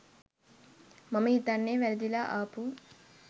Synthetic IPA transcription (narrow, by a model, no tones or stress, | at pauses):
mɐmɐit̪ɐnːeːʋeɾɐd̪ilaʔaːpu